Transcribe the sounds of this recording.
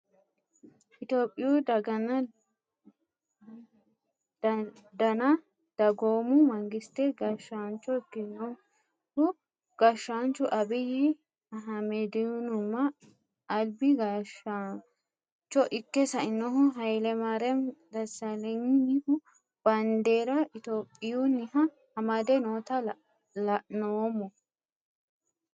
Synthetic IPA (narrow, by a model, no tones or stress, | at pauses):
ʔɪt̪oːpʼːɪjud̪ɐɡɐnɐ | d̪ɐnɐ | d̪̥ɐɡoːmʊmɐŋɡɪst̪ɛɡɐʃːaːnt͡ʃːɔɪkːɪnːɔ | hʊ | ɡ̥ɐʃːaːnt͡ʃːʊʔɐbɪhɪ | ɐɦɐmɛd̪ɪnʊmːɐː | lbɪɡɐʃa | t͡ʃːɔʔɪkːɛsɐɪnːɔɦʊɦɐjlɛmɐɾɛmd̪ɐsɐlɛŋɪhʊ | b̥ɐnd̪eːɾɐɪt̪oːpʼːɪjunɪhɐ | hɐmɐd̪ɛnoːt̪ɐ | lɐʔnoːmːɔ